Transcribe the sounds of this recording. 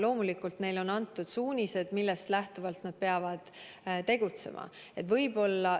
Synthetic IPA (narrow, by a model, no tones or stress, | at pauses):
lo̞ːmulikˑult̪ne̞jlo̞nɑnt̪ːˑud̪̥suːnʲise̞d̪̥milːe̞st̪læht̪uvɑlt̪nɑd̪̥̚pe̞ɑvɑd̪̥t̪e̞ɡ̥ut̪se̞̰mʔɑ̰ | e̞t̪vɤ̞jbo̞lːɑ